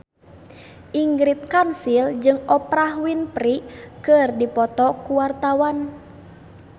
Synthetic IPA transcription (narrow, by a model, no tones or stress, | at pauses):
ʔiŋɡɾit̪̚kansild͡ʒɨŋɔpɾaɦwinpɾikɨrdipɔt̪ɔkuwart̪awan